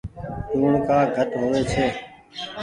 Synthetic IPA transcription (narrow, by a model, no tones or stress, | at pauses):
ʈuːɳkaːɡʱət̪ɦoʋeːt͡ʃʰeː